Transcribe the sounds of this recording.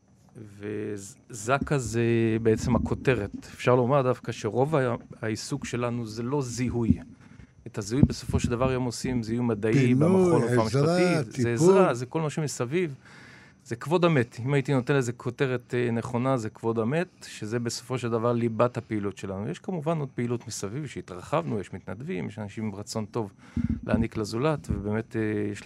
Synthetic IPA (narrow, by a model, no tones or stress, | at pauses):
vezakazebeet͡se̞makʰo̞te̞ʁet̪efʃaʁlomaʁd̪afkaʃe̞ʁo̞vaaisukʃe̞lanuzelo̞zihuj | etaziujbeso̞fo̞ʃeld̪avaʁjomosimzeiujmad̪aibemχoloameʃat̪izeːzʁʁazeko̞lmaʃemisaviv | zekvo̞dametimaitino̞tenlezekʰo̞te̞ʁetne̞χo̞nazekvo̞dametʃezebeso̞fo̞ʃeld̪avaʁlibathapeilutʃe̞lanujeʃkamuvano̞d̥̪̚peilutmisavivʃeit̪ʁaχavnujeʃmit̪nadvimjeʃanaʃimʁat͡so̞nto̞vlʔḛaniklazulatvebeːme̞tejeʃ